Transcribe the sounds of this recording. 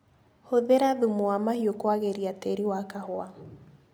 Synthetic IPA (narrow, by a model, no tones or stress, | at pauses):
hoðeɾaðumoamahiokwaɣeɾiateɾiwakahoa